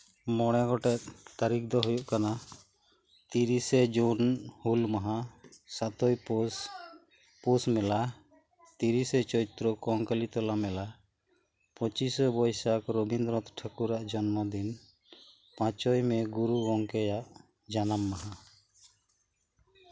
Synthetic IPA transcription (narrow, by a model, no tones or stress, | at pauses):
mɔɽ̃ɛɡɔʈɛt̪̚t̪aɾikd̪ɔɦujuʔkana | t̪iɾisɛd͡ʒunhulmaɦasat̪ɔj | pusmɛla | t̪iɾisɛt͡ʃɔɾit̪ɾɔkɔŋkəlit̪ɔlamɛla | pɔt͡ʃisɔbɔjsakɾobʱind̪ɾɔt̪ʈʰakuɾaʔd͡ʒɔnmɔd̪in | pãt͡ʃɔjmɛɡuɾuɡɔŋkɛjaʔ | d͡ʒanamːaɦa